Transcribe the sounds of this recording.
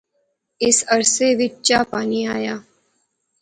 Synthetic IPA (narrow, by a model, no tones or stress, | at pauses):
ɪsəɾseʋɪt͡ʃt͡ʃaːpaːniaːjaː